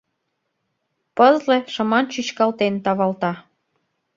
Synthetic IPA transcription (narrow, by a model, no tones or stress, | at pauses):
pəzlĕʃə̆mɑnt͡ɕyt͡ɕkɑlt̪ent̪ɑβɑlt̪ɑ